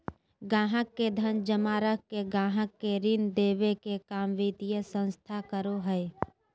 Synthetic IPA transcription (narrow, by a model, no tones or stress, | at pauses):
ɡãːɦəkːed̪ʱənd͡ʒəmaːɾəkkeɡãːɦəkːeɾɪnd̪eːʋekekaːmʋit̪ijəsə̃nst̪ʰakəɾoɦəe